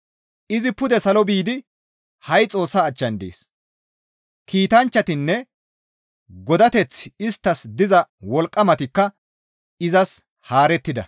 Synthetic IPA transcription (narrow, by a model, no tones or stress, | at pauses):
ʔɪzɪpʊd̪ɛsɐlɔbiːd̪ɪ | hɐjt͡sʼo̞ːsːaːt͡ʃːɐnd̪ḛːs | kʰiːt̪ɐnt͡ʃːɐt̪ɪnːɛ | ɡɔd̪ɐt̪ɛt͡sɪst̪ːɐsd̪ɪzɐwɔlkʼːɐmɐt̪ɪkːɐ | ɪzɐs | haːɾɛt̪ːɪd̪ɐ̰